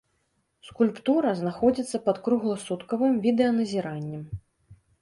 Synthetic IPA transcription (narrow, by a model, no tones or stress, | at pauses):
skulʲpt̪uɾɐznaxɔd͡zʲit̪sːɐpɐt̪kɾuɣlˠɐsut̪kɐvɨmvʲid̪ɛɐnɐzʲiɾanʲːɛm